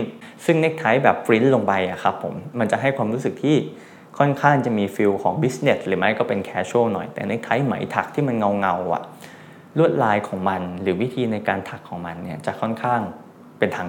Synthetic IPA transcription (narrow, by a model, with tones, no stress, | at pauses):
sɯ˥˩ŋne˦˥k̚t̪ʰa˦˥jbɛː˨˩p̚fɾi˦˥nloː˧ŋpa˧jʔa˨˩kʰa˦˥pʰːo̰˩˦mːa˧nt͡ɕa˨˩ɦa˥˩jkʰwaː˧mɾuː˦˥sɯ˨˩k̚t̪ʰiː˥˩ | kʰɔ˥˩nkʰaː˥˩ŋt͡ɕa˨˩miː˧fi˧wkʰɔː˩˦ŋbi˦˥sne˨˩t̚ɾɯː˩˦ma˦˥jkɔː˥˩pe˧nkʰɛː˦˥t͡ɕʰoː˥˩nɔ̰˨˩jt̪ɛ̰ː˨˩ne˦˥k̚t̪ʰa˦˥jma̰˩˦jt̪ʰa˨˩k̚t̪ʰiː˥˩ma˧nŋa˧wŋa˧wʔa̰˨˩ | lu˥˩ət̪̚laː˧jkʰɔː˩˦ŋma˧nɾɯː˩˦wi˦˥t̪ʰiː˧na˧jkaː˧nt̪ʰa˨˩kʰːɔː˩˦ŋma˧nːi˥˩ɐt͡ɕa˨˩kʰɔ˥˩nkʰaː˥˩ŋ | pe˧nt̪ʰaː˧ŋ